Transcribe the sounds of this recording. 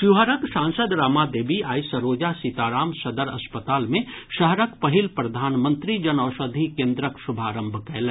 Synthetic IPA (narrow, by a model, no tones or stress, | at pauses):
ʃuɦəɾəksãːnsəd̪ɾaːmad̪eːbiaːjsəɾoːd͡ʒasit̪aːɾaːmsɐd̪əɾɐ̰spət̪aːlmẽʃɐɦɾəkpɐɦɪlpɾɐd̪ʱaːnmə̃nt̪ɾid͡ʒɐnɔːʃəd̪ʱikẽːnd̪ɾəksʊbʱaːɾə̃mbʱkɛːl